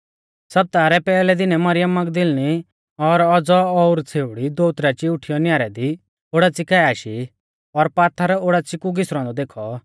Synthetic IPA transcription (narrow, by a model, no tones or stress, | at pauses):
sɐb̚t̪aːɾɛpɛːlɛd̪ɪnɛmɐɾɪjəmːɐɡd̪ɪlñi | ɔɾɔd͡zɔɔʊɾt͡sʰeːʊɽid̪oːʊt̪ɾat͡ʃiʊʈʰijɔnjaːɾɛd̪i | oːɽat͡sɪkaːiaːʃi | ɔɾpaːt̪ʰaɾoːɽat͡sɪkuɡɪsɾɔ̃ːnd̪ɔd̪eːkʰɔ